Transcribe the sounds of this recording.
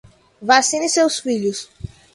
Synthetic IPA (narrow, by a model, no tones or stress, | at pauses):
vasĩnɪsewsfiʎʊs